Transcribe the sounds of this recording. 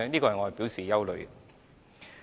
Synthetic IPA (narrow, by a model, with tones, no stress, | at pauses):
niː˥kɔː˧hɐ˨jŋɔ˨˧˩ɐ˨˩piː˨˥wsiː˨jɐ˥wlɵ˨˧ɥ